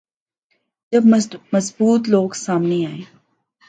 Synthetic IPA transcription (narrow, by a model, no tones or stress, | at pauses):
d͡ʒɐbmɐzbuːt̪loːɡsaːmneaːeː